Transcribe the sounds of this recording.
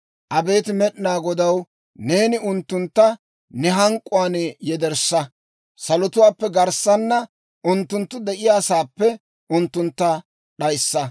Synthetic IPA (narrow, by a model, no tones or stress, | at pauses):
ʔɐbe̞ːt̪ɪmɛɗɪnaːɡɔd̪ɐw | ne̞ːnɪʊnt̪ːʊnt̪ːɐ | nɛɦɐŋkʼːʊwaːnjɛd̪ɛɾsɐ | sɐlɔt̪ʊwaːpːɛɡɐɾsːɐnːɐ | ʔʊnt̪ːʊnt̪ːʊd̪ɛʔɪjaːsaːpːɛ | ʊnt̪ːʊnt̪ːɐ | ɗɐjsːɐ